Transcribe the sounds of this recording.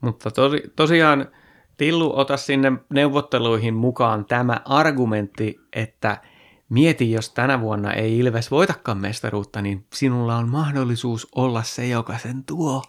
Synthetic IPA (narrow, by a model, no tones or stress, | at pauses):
mut̪ːɑt̪osit̪osiɑːn | t̪ilːuʔot̪ɑssinːemneuʋːot̪ːeluihimmukɑːnt̪æmæ̰ʔɑrɡument̪ːiʔet̪ːæ | miet̪ijjost̪ænæʋuonːɑ̰ʔeiilʋesʋoit̪ɑkːɑːmmḛst̪ɑruːt̪ːɑninsinulːɑonmɑhdolːisuːsolːɑssejokɑsent̪uo